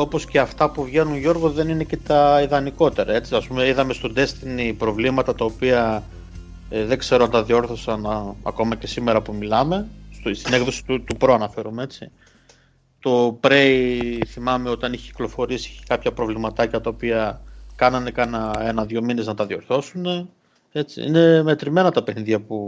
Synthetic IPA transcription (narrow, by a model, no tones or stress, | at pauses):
o̞po̞sce̞ɐft̪ɐpuvʝe̞nunʝo̞ɾɣoðe̞nine̞ce̞t̪ɐiðɐniko̞t̪e̞ɾɐe̞t͡siɐspume̞iðɐme̞st̪od̪e̞st̪inipɾo̞vlimɐt̪ɐt̪ɐopiɐ | ðeɡse̞ɾo̞ɐnt̪ɐðio̞ɾθo̞sɐnɐ̰ko̞mɐce̞sime̞ɾɐpumilɐme̞st̪st̪ineɡðosi̥t̪ut̪upɾo̞ɐnɐfe̞ɾumee̞t͡si | t̪o̞pɾe̞jθimɐme̞o̞t̪ɐniçe̥ci̥klo̞fo̞ɾisii̥ci̥kɐpçɐpɾo̞vlimɐt̪ɐcɐt̪ɐopiɐkɐnɐnekɐnɐe̞nɐðʝo̞mine̞znɐt̪ɐðio̞ɾθo̞sune̞ | e̞t͡sḭḭne̞me̞t̪ɾime̞nɐt̪ɐpeniðʝɐpu